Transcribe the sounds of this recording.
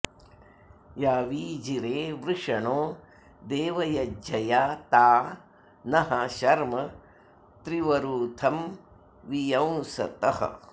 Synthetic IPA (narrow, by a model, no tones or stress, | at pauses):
jaːʋiːd͡ʒiɾeːʋɾuʂɐɳoː | d̪eːʋɐjɐd͡ʒɐjaːt̪aː | nɐɦaʃɐɾmɐ | t̪ɾiʋɐɾuːt̪ʰɐm | ʋijɐw̃sɐ̰t̪ɐhɐ̰